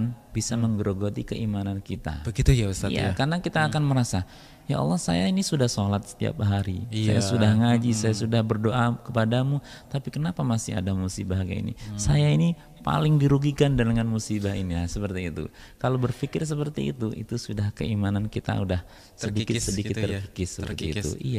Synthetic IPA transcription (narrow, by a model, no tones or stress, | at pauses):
nbisaməŋɡəɾoɡot̪ikəʔimanankit̪a̰bɡt̪sḭja̰karənakit̪aːkanməɾasa | ja̰ɔ̰lːɔhsa̰jainisudahsolat̪̚sə̥t̪ia̰p̚ɦaɾḭssa̰jasudahŋad͡ʒisajasudahbərdoʔakəpadamut̪apikənapamasɪa̰damusibaɦaɡa̰ḭnḭsajaini | pa̰lɪŋdiɾuɡikandaləŋanmusibainilasəpərt̪iːt̪ṵ | kalobərfikɪrs̬əpərt̪ḭːt̪uʔḭt̪usudahkə̰imanankit̪a̰udah | sədikɪsədikɪt̪ːərfikɪrsəpə̰rt̪ḭːt̪ṵʔija